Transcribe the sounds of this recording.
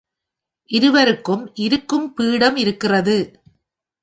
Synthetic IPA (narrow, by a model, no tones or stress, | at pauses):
ʔɪɾɯʋɐɾɯkːɯmʔɪɾɯkːɯmpiːɽɐmɪɾɯkːɪrɐðɯ